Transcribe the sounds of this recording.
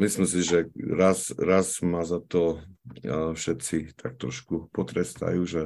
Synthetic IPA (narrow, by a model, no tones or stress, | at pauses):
mislimsiʒɛɾasɾazmazat̪ɔ | fʃɛt̪t͡sit̪ʰak̚t̪ɾɔʃkupɔt̪ɾɛst̪a̰juːʒɛ